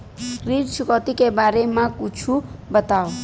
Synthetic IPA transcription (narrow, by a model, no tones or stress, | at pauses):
ridsukɔt̪ikebaɾemakut͡ʃʰubət̪aw